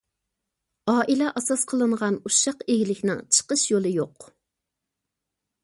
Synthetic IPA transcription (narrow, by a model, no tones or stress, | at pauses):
ɑːʔilɛʔɑsɑsqʰəlˠɨɴʁɑnuʃɑqeɡʲilɪkʲnɪŋt͡ʃʰə̥qəʃjolˠɨjoq